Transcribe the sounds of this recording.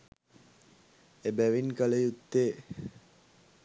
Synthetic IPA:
ebæʋinkələjut̪ːeː

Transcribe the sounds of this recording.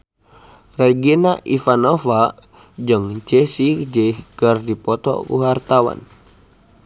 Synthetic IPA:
raɡinaʔifanofa | d͡ʒəŋt͡ʃɛsid͡ʒəhkərdipɔt̪ɔ̰kṵɦart̪awa̰n

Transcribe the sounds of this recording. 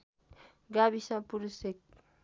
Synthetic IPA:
ɡabisãpuɾusek̚

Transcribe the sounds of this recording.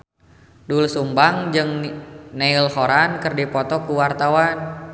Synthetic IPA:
dulsumbaŋd͡ʒɨŋneilhɔɾankɨrdipɔt̪ɔkuwart̪awan

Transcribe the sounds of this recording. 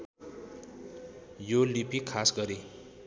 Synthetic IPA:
jolipikʰːasɡʌɾe

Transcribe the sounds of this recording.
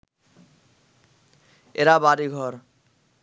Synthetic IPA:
eɾabaɾiɡʱɔɾ

